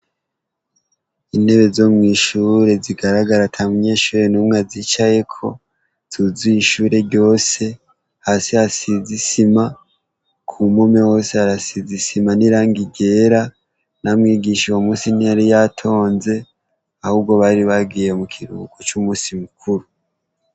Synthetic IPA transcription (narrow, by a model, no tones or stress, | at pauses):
ine̞βe̞zo̞mŋiːʃuɾe̞ziɡaɾaɡaɾatʰamuɲe̞ːʃuːɾe̞numŋazit͡ʃaje̞kʰo̞ | tuzujiʃuːɾe̞ɾɟo̞ːse̞ | haːsiasizisima | kʰumume̞wo̞seaɾasizisimaniɾaːŋɡiɡe̞ːɾa | namŋiːɡiʃiwomuːsinijaɾijatʰo̞ːnze̞ | ahub̚ɡo̞βaɾiβaɡiːjemukʰiɾṵːkot͡ʃumuːsimukʰuɾu